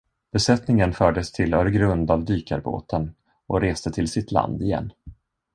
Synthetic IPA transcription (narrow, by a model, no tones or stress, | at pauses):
b̥ɛsɛt̪nɪŋənfœːɖəst̪ʰɪlœːɾɡɾɵnd̪avd̪yːka̰ɾbo̰ːt̪ʰən | ɔɾeːst̪ət̪ʰɪlsɪt̪ʰla̰nd̪ɪjɛ̰nː